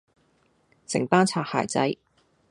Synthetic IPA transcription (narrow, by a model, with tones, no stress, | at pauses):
sɪ̰˨˩ŋp̪aː˥nt͡sʰaː˧ha̰ː˨˩jt͡sɐ˦˥j